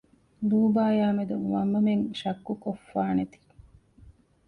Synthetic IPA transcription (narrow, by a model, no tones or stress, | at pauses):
duːbaːjaːmed̪uŋʋɐmːɐmeŋʃɐkːukofːaːnet̪i̥